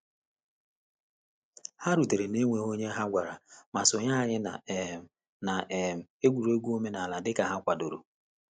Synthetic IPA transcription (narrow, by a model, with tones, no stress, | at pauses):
ha˦ɾu˨te˨ɾe˨ne˦ŋʷe˨ɦo˦ɲe˦ɦa˦ɡʷa˨ɾa˨ma˨sʊ˨ɲa˦˨ɲɪ˦˨ | na˨ʔm̩˨e˦ɡʷu˨ɾe˦ɡʷu˦o˦me˦na˨la˨dɪ˦ka˨ɦa˦kʷa˨do˨ɾo˨